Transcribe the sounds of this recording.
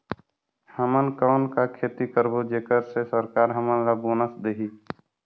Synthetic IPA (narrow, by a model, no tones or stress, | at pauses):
həmənkəʊnkakʰeːt̪ikəɾbod͡ʒeːkəɾsesəɾkaːɾɦəmənɾabonəsd̪eɦiː